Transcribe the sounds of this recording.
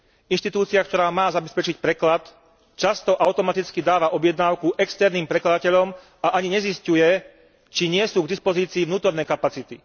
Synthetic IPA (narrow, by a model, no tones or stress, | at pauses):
inʃt̪it̪uːt͡siakt̪ɔɾaːmaːzabɛspɛt͡ʃic̚pɾɛklat̪ | t͡ʃast̪ɔʔaʊt̪ɔmat̪it͡skid̪aːʋaʔɔbjɛd̪naːʊkuʔɛkst̪ɛɾniːmpɾɛklad̪acɛʎɔm | aʔaɲiɲɛziscujɛ | t͡ʃiɲɪɛsuːɡd̪ispɔziːt͡siːʋnuːt̪ɔɾnɛkapat͡sit̪i